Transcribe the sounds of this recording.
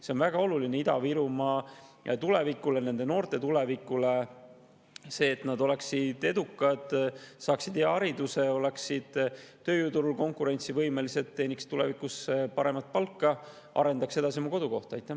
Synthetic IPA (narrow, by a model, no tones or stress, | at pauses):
se̞o̞nvæɡ̥ɑo̞lulineid̪̥ɑviɾumɑt̪ule̞vikːˑule̞ne̞nd̪̥e̞no̞ːɾt̪e̞t̪ule̞vikːˑule | se̞ːt̪nɑd̪o̞le̞ksid̪̥e̞d̪ukːˑɑd̪̥sɑːksid̪̥eɑɑɾid̪use̞o̞le̞ksid̪̥t̪ːø̞ːjuːt̪uɾulko̞ŋkuɾe̞nʲt̪sivɤjme̞liset̪ːe̞ːnikst̪ule̞vikusepɑɾe̞mɑt̪̚ˑpɑlkːɑ | ʔɑ̰ɾe̞nd̪ɑkse̞d̪ɑsiomuko̞d̪uko̞ht̪ɑɑjt̪ːˑæ